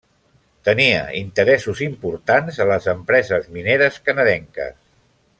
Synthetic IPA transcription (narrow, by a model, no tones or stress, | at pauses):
t̪əniə̰int̪əɾɛsuzimpuɾt̪anzələzəmpɾɛzəzmineɾəskənəðɛŋkə̰s